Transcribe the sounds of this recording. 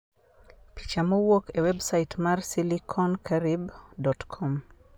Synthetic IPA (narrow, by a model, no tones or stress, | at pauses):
pi̥t͡ʃamɔwokewɛbsaitmarsilikʰɔnkʰaɾibdɔtkʰɔm